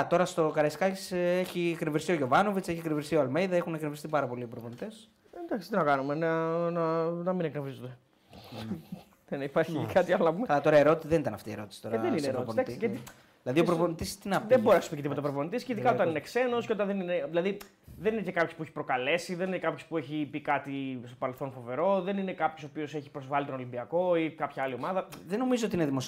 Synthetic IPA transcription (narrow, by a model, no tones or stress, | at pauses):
t̪o̞ɾɐst̪o̞kɐɾɐiskɐcit͡seçieknevɾist̪ioʝo̞vɐno̞vit͡seçikɾnevɾist̪ioɐlmejðɐexuneknevɾist̪ipɐɾɐpo̞lipɾoponit̪es | d̪ɐksi̥t̪inɐkɐnumenɐnɐnɐmineknevɾizond̪e | enipɐɾçikɐt̪iɐlonɐpumeɐlɐt̪o̞ɾɐeɾo̞t̪i̥siðenit̪ɐnɐft̪iːe̞ɾo̞t̪i̥si̥t̪o̞ɾðenineɾopnd̪ɐkt̪siei | ðilɐðiopɾoponit̪ist̪inɐpeboɾinɐsupiceipot̪eopɾoponit̪isceiðikɐot̪ɐninekse̞no̞skceot̪ɐnðenineðilɐði | ðeninecekɐpço̞spueçi̥pɾo̞kɐle̞siðeninekɐpço̞spue̞çipikɐt̪ist̪o̞pɐɾelθo̞nfo̞ve̞ɾo̞ðe̞nine̞kɐpço̞sopio̞se̞çipɾozvɐlit̪o̞nolimbiɐko̞ikɐpçɐɐlio̞mɐðɐðeno̞mizoot̪ineðimos